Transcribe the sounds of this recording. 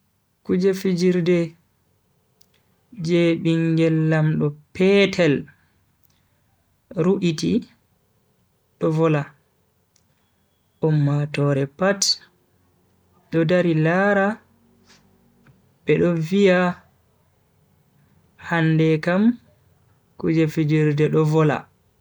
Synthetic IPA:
kud͡ʒɛfid͡ʒiɾdɛ | d͡ʒeɓiŋɡɛlːamɗɔpɛtʰɛl | ɾuʔiti | ɗɔvɔla | ʔɔmːatɔɾɛpat | ɗɔdaɾilaɾa | ɓɛɗɔvija | handɛkam | kud͡ʒɛfid͡ʒiɾdɛɗɔvɔla̰

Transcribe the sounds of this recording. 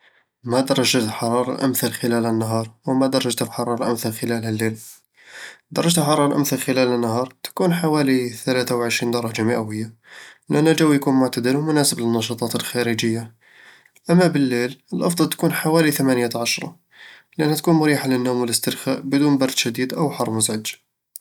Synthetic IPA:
mæd̪ɑɾˤɑʒət̪ħɑɾˤɑɾˤɑ̰ʔə̰mθælxəlælhənːaɦɑɾˤwəmæd̪ɑɾˤɑʒt̪əfħɑɾˤɑɾˤɑlʔəmθælxəlælhælːel | d̪ɑɾˤːɑʒt̪ħɑɾˤɑɾˤɑlʔə̰mθælxəlælhənːaɦɑɾˤt̪kunħawæliθælæt̪awʕəʃɾind̪ɑɾˤɑd͡ʒaməʔæwəjːalʔænhæd͡ʒəwjkunmʊʕt̪æd̪əɾwmʊnæsəblənːɑʃɑt̪ˤɑt̪əlxæɾəd͡ʒəjːa | ʔæmːæbəlːeləlʔɑfd̪ˤɑlt̪kunħawælit̪æmænjat̪ʕɑʃɾˤɑ̰ | lʔənhæt̪̚kunmʊɾiħalənːumwələst̪əɾxa̰ʔbəd̪uːnbɑɾˤd̪ʃæd̪id̪ʔəwħɑrˤːmʊzʕəd͡ʒ̪

